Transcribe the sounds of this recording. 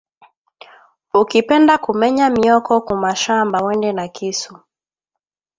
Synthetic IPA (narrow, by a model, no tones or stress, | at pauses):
ukipɛndakumɛɲamiɔkɔkumaʃambawɛndɛnakisu